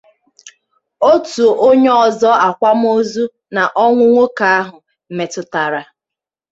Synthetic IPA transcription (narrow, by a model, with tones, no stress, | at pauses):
o˦tu˨ʔo˦ɲe˦ɔ˨zɔ˦a˨kʷa˦m̩˦o˦zu˦ | na˨ʔɔ˦ŋʷʊ˦ŋʷo˦ka˨a˦ɦʊ˨ | m̩˨me˨tʊ˨ta˨ɾa˨